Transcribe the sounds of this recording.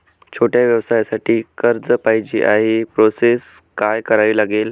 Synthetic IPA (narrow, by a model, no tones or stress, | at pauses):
t͡ɕʰoʈjaʋjəʋsajasaʈiːkəɾd͡zəpaɦid͡ʑḭːʔaɦepɾoses | kajkəɾaʋiːlaɡel